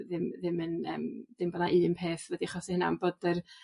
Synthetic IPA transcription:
ðɪmðɪmənə̰ːmd̥ɪmbɔnaʔɨːmpʰeːθvɛdiχɔsɪhɪna̰nbədər

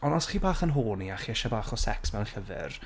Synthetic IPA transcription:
ɔnɔsχiːbaːχənɦʊːniaχiəʃɔbaːχɔsɛksmɛwɬəvɪ̰r

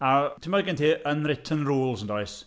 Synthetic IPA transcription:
atʰɪmɔɡɛntʰiʔənrɪtʰənruːlˠsəndɔɨs

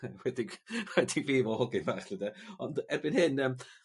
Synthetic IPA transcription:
wɛdɪŋwɛdɪŋviːvɔhɔɡɪnvaːχɪdaɔndɛbɪnhɨnəːm

